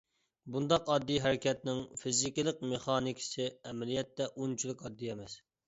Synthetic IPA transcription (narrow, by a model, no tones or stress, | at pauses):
bund̪ɑqɑd̪ːiɦɛɾɪkʲɛt̪nɪŋfizikʲilˠəqmeχɑːnikʲʰɪ̥sɪɛmɛlijɛt̪ːɛʔunt͡ʃʰilˠɨkɑd̪ːiɛmɛs